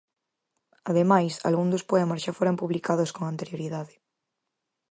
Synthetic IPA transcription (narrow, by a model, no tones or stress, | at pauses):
aðemajsa̰lɣund̪ospoemasʃafoɾompuβlikað̞oskoŋant̪eɾjoɾiðaðe